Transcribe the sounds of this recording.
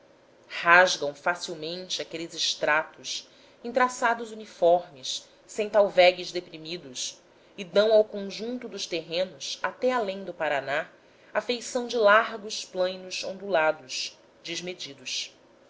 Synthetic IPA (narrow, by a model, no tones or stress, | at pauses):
haʒɡɐ̃w̃fasiwmẽnt͡ʃɪakelɪzɪʃt̪ɾat̪ʊs | ĩnt̪ɾasad̪ʊzunifɔɾmɪsː | ẽj̃t̪awvɛɡɪzd̪epɾimid̪ʊs | ɪd̪ɐ̃w̃awkõʒũnt̪ʊd̪ʊʃt̪eɦẽnʊsat̪ɛalẽj̃d̪ʊpaɾana | afejsɐ̃w̃d͡ʒɪlaɾɡʊsplɐ̃jnʊzõnd̪ulad̪ʊʃ | d͡ʒizmed͡ʒid̪ʊs